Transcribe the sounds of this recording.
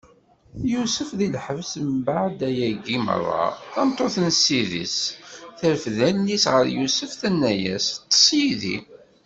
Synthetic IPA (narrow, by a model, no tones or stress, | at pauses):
jusəfðilħəvsmbaʕd̪æjæɡimə̰rˤːɑ̰θɑmt̪ˤːoθnsːiðḭsθəɾfðænːisʁəɾjusəfθænːæjæst̪ˤːə̥sˤjiðḭ